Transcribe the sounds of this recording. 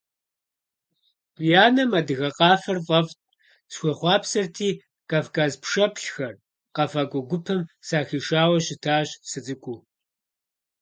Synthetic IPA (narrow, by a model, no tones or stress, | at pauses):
jaːnɐmadɨɣɐqɑːfɐrvʼɐvtʼ | sxʷɔχʷɑːpsɐrtʰiː | kaːfkʰaːzpʰʂɐpʰɬxɐr | qɐfaːkʷʼʊɡʷʊpʰɨmsaːxiːʂaːwɐɕɪtʰaːɕsɨt͡sʼɨkʷʼuː